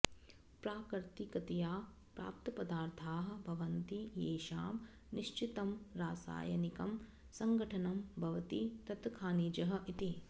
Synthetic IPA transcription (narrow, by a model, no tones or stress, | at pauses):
pɾaːkɾt̪ikɐt̪ɐjaː | pɾa̰ːp̚t̪ɐpɐd̪aːɾt̪ʰaːɦɐ̆bʱɐʋɐnt̪ijeːʃaːm | niʃt͡ʃit̪ɐmɾaːsa̰ːjɐ̰nikɐm | sɐŋɡʱɐʈʰɐnɐmbʱɐʋɐt̪it̪ɐt̪kʰaːniːd͡ʒɐɦɐʔit̪i